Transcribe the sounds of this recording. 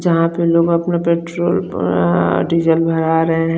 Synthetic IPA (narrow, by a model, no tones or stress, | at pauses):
d͡ʒɐɦãpeloːɡɐpnapeːʈɾoːl | ɖid͡ʒəlbʱɐɾaɾəɦeɦɛ̃